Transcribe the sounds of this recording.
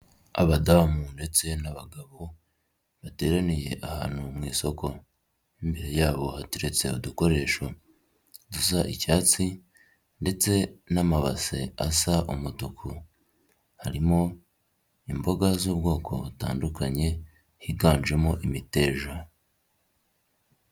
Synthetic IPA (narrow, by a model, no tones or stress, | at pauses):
a̰βadaːmunde̞t͡se̞naβaɡaβo | βate̞ːɾanije̞̰ʔaha̰ːn̥humŋiːso̞ko̞ | imbeɾe̞jaːβo̞hatuɾe̞t͡se̞̰uduko̞ɾe̞ːʃo | dusaʔicaːt͡si | nde̞t͡se̞namaβa̰sḛasaʔumutukʰu | haɾimo̞ | imbo̞ɡazuːbɡo̞ːkʰo̞̰βuta̰ːndukaɲe̞ | hiɡaːnd͡ʒwe̞moʔimite̞ːʒa